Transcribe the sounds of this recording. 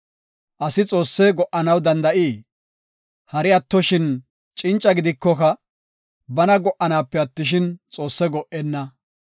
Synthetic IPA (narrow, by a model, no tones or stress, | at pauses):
ʔɐsɪt͡sʼo̞ːsːɛɡɔʔɐnɐwd̪ɐnd̪ɐʔiː | hɐɾɪɐt̪ːɔʃɪn | t͡ʃʼɪnt͡ʃʼːɐɡɪd̪ɪkːɔkɐ | bɐnɐɡɔʔːɐnaːpːɛɐt̪ːɪʃ̬ɪnt͡sʼo̞ːsːɛɡɔʔɛnːɐ